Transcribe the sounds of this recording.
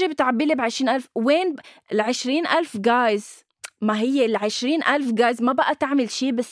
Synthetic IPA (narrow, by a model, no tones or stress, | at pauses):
ibɪt̪ʕabːilibʕɪʃɾiːnʔalfweːnɪlʕɪʃɾiːnʔalfɡaːjz | maɦɪjːelʕɪʃɾiːnʔalfɡaːjzmabaʔat̪aʕmɪlʃiːbas